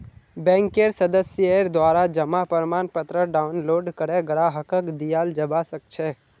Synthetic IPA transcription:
bɛ̃ŋkeɾsəd̪əsjəeɾd̪ʋaɾad͡ʒəmapəɾmanpət̪ɾəɖaunloɾɖkəɾeɡəɾaɦəkəkd̪ijald͡ʒəbasək̚t͡ʃʰe

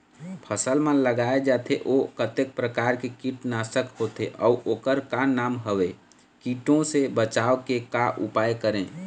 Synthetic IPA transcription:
pʰəsəlmə̃ləɡaed͡ʒaːt̪ʰeʔokət̪ek̚pɾəkaɾkekiʈnasəkhot̪ʰeʔɔuʔokəɾkanaːmɦəwe | kiʈõsebət͡ʃaːokekaʔupajkəɾẽ

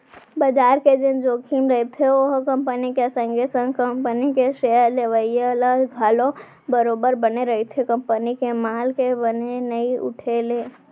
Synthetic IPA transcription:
bəd͡ʒaːɾked͡ʒɪnd͡ʒoːkʰiːmɾəet̪ʰeoɦkɐ̃mpənikesə̃ŋɡʱesə̃ŋɡkəmpənikeʃejəɾleʋəieləɡʱaːlõ | bəɾoːbəɾbəneɾɐɦet̪ʰekə̃mpənikemaːlkebənenəiʊ̰ʈʰeleː

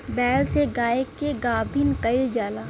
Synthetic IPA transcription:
bɛːlseɡaːekːeɡaːbʱinkɐid͡ʒaːlaː

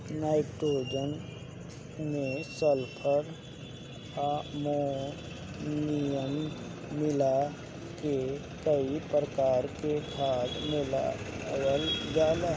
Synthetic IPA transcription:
naːɪʈɾoːd͡ʒən | mẽsəlpʰəɾ | amo | nijəmː | ɪla | ke | kəipɾəkaːɾkekʰaːd̪mɪla̰ | jəld͡ʒaːla

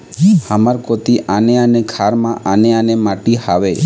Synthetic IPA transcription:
həmaɾkot̪iʔaneənekʰaɾmãʔaneanemaʈihaʋe

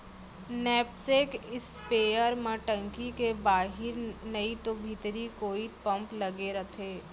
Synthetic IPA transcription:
nɛːpsekɪspeːjəɾmẽʈə̃ŋkikebaːɦɪɾnɐit̪obʱit̪ɾikoːipɐ̃mplɐɡeɾɐt̪ʰeː

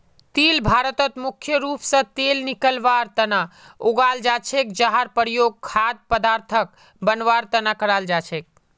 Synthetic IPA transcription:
t̪ilbʱaɾət̪ət̪mukʰjəɾupsə̃t̪elnikəlʋaɾt̪ənaoɡald͡ʒat͡ʃʰek̚d͡ʒaɦaɾpəɾjoɡ̚kʰad̪̚pəd̪aɾt̪ʰək̚ | bənʋaɾt̪ənakəɾald͡ʒat͡ʃʰek̚

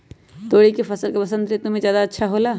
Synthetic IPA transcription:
t̪oːɽikepʰɐsəlkebɐsə̃nd̪ɾet̪ʊmẽzjaːd̪aətːʃʰaɦolaː

